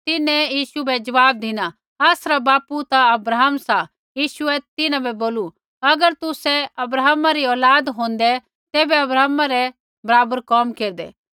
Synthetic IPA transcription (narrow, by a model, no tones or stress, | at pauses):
t̪ɪnɛ̃jiːʃubɛd͡ʒɐʋaːb̚d̪ɪna | aːsɾabaːput̪aɐbɾaːɦmsa | jiːʃʊɛt̪ɪnãbɛboːlu | ɐɡəɾt̪ʊsɛɐbɾaːmaɾiɔːlaːd̪ɦõːnd̪ɛ | t̪eːbɛɐbɾaːmaɾɛ | bɐɾaːbəɾkɔːmkeːɾd̪ɛ̰ː